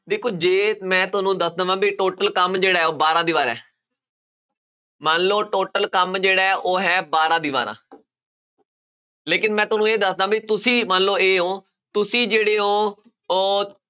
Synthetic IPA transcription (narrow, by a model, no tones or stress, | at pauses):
d̪eːkʰːoːd͡ʒeːmɛ̃ːt̪ʊnũːd̪əsd̪əʋãːbiʈoːʈəlkəmd͡ʒeːɽaːɦɛːoːbaːɾãːd̪iːʋaːɾɛ̰ː | mənloːʈoːʈəlkəmd͡ʒeːɽaːɛʔoːɦɛːbaːɾãːd̪iːʋa̰ːɾã̰ː | leːkɪnmɛ̃ːt̪ʊnũːeːd̪əsd̪ãːbit̪ʊsĩːmənloːeːɦõː | t̪ʊsĩːd͡ʒeːɽeːɦõː | oː